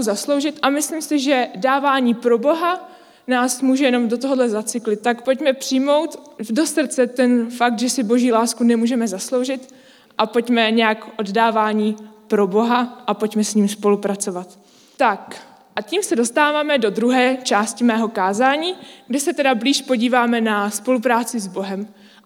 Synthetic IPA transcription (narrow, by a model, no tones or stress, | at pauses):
zaslowʒɪt̪ʔamɪslɪmsɪʒɛdaːvaːɲiːpɾo̞bo̞ɦa | naːsmuːʒɛjɛno̞mdot̪oɦodlɛzat͡sɪklɪt̪̚t̪ːakpo̞cmɛpr̥ɪjmo̞wt̪do̞sr̩t͡sɛt̪ɛnfak̚t̪ʒɛsɪbo̞ʒiːlaːskunɛmuːʒɛmɛzaslo̞wʒɪt̪ | ʔapo̞cmɛɲɛjakʔo̞ddaːvaːɲiːpɾo̞bo̞ɦaʔapo̞cmɛsɲiːmspo̞lupɾat͡so̞vat̪ | t̪ak | ʔaciːmsɛdo̞st̪aːvaːmɛdo̞d̪ɾuɦɛːt͡ʃaːscɪmɛːɦo̞kaːzaːɲiːɡdɛsɛt̪ɛdabliːʃpo̞ɟiːvaːmɛnaspo̞lupɾaːt͡sɪzbo̞ɦɛm